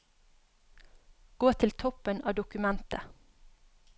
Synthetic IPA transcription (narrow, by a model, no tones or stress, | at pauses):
ɡ̥oːt̪ʰɪlt̪ʰɔpənɑ̰ːd̪ʊkʉmɛnt̪ə